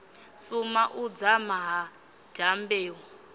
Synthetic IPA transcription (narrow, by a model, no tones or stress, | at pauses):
sumaʔud͡zamaɦa | d͡ʒ̥ʱambeːɦɔ